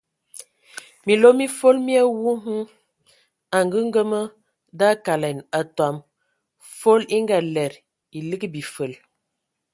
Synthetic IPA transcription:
mi˨lo˦mi˦fo˦lmi˦a˦wu˦ɦu˦ŋ | a˨ŋɡə˦ŋ˦ɡə˦mə˦ | da˦ka˨la˨na˨twa˨m | fo˦li˦ŋɡa˨lɛ˨ɾ | i˨li˦ɡbi˨fə˨l

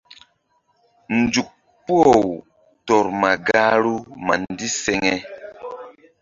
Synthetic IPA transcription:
n̩˨d͡ʒu˨k̚ | pu˦o˨w | tɔ˨ɾma˨ɡa˦ɾu˦ma̰˨n˦di˦sɛ˨ŋɛ˦

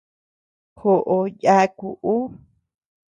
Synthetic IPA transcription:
xo˨ʔo˧ja˦ku˨ʔu˦

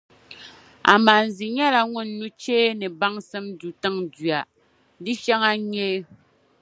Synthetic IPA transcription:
a̰˨ma˨n̩˨zi˨ɲɛ˦la˦ŋʊ˦nː˨˦u˦t͡ʃeː˦nɨ˨ba˦ŋsɨ˦mdu˨tɨ˦ŋdɥa˨ | dɨ˦ʃɛ˦ŋa˦ɲeː˦

